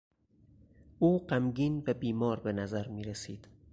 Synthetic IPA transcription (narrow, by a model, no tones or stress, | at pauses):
ʔuːɢæmɟiːnvæbiːmɒːɾbe̞næzæɾmiːɾesiːd̪̥